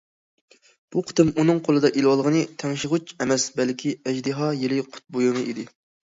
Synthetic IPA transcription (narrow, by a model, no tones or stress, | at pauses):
b̥uqʰɨ̥t̪ɨmunɨŋqʰolˠɨd̪ɑʔilwɑlˠʁənɨt̪ʰɛŋʃɪʁut͡ʃʰɛmɛsbɛlkʲʰiɛd͡ʒd̪ɨɦɑjelɪqʰʊ̥t̪̚bojumɨʔid̪ɪ